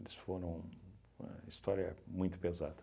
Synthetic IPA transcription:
elɪsfoɾɐ̃w̃ | umɐ̰ist̪ɔɾjɐmũj̃t̪ʊ̥peza̰d̪ɐ

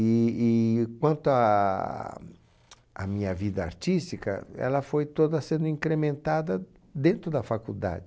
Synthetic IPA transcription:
iː | kwɐ̃nt̪ʊa | a̰mĩɲɐvid̪ɐa̰ɾt͡ʃ̪ist̪ikɐ̰ɛ̰lɐfojt̪od̪ɐsẽnd̪ʊĩŋkɾemẽnt̪ad̪ɐ | d̪ẽnt̪ɾʊd̪ɐfakuld̪a̰d͡ʒɪ

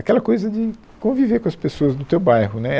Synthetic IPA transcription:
akɛlɐkojzɐd͡ʒɪ | kõvivekõɐspesoɐznʊt̪ewbajɦʊnɛ

